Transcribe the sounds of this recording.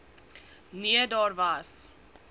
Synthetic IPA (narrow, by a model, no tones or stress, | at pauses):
niədɑːrvɐs